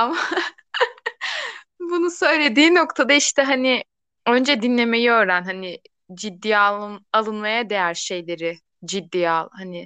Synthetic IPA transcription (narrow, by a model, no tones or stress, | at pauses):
ama | bunusø̞jlʲe̞d̪iːno̞kt̪ʰad̪aiʃt̪ʰɛɦanɪ | ø̞nd͡ʒɛd̪inlʲe̞mejiøɾænɦanɪ | d͡ʒid̪ːijalˠalˠɯnmajad̪e̞jæɾʃe̞jlʲe̞ɾɪ | d͡ʒid̪ːiːalˠhanɪ